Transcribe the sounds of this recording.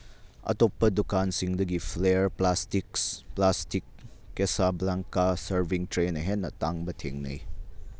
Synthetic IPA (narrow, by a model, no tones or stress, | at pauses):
ɐ̰topːɐdukansiŋdɐɡipʰlejɐɾplastiksplastikːesablaŋkasɐɾbʱiŋtɾenɐɦenːɐ̰taŋbɐtʰḛŋnɐ̰j